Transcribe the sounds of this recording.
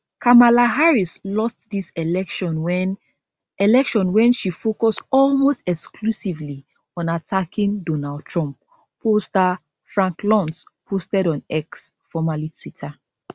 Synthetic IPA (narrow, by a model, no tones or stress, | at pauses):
kʰamalaɦaɹislɔstdisɛlɛkʃɔ̃nwɛn | ɛlɛkʃɔ̃nwɛ̃nʃifokɔstɔlmostɛkskʰlusivli | ɔ̃natʰakĩndonaldtʰɹɔ̃mp̚ː | osta | fɹãŋklɔ̃nspʰostɛɾɔ̃nɛks | fɔmalitʰwitʰa